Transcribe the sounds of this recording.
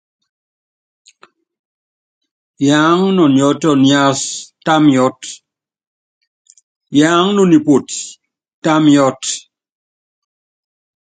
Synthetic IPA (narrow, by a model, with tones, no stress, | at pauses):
jaː˨˦ŋnɔ˨njɔ˦tɔ˦˨nja˦sta˦mjɔ˦t | ja˨˦ŋnɔ˨ni˨po˨t | tːa˦mjɔ˦t